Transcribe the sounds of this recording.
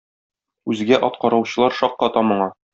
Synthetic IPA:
ʉzɡæʔɒt̪qɑɾɑwɕɤ̆lˠɑɾʃɒqːɑt̪ɑmɤ̆ɴɑ

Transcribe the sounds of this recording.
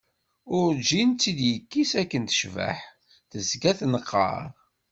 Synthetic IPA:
ʊɾd͡ʒint͡sːid̪jəkːisækːənt̪ə̥ʃvə̰ħ | θəzɡæθnəqːɑ̰ɾˤ

